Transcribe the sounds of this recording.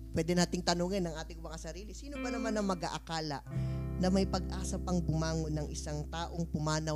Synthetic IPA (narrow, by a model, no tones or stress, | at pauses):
pwɛːd̪ɛnaːt̪ɪŋt̪ɐnoːŋɪnːɐŋʔaːt̪ɪŋʊmɐŋasɐɾiːlɪsiːnopɐnɐmanɐŋmɐɡaʔɐkaːlɐnɐmɐjpɐɡ̚ʔaːsɐpɐŋbʊmaːŋonːɐŋʔɪsaŋt̪aːʔo̞ŋpʊmaːnɐ